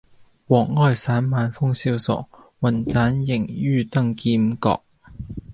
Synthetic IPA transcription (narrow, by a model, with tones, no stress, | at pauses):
wɔː˨˩ŋːɔː˥˩jsaː˨˥nmaː˨˧nfʊ˥ŋsiː˥wsɔ̰ː˨k̚ | wɐ˨˩nt͡saː˨˥njɪ˨˩ŋjyː˥˧t̪ɐ˥ŋkiː˧mkɔ̰ː˧k̚